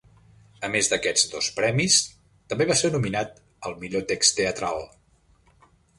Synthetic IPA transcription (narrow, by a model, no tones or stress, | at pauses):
əmezðəkɛd͡zd̪ospɾɛmis | t̪əmbeβaseɾnuminat̪ | əlˠmiʎot̪ekst̪eət̪ɾalˠ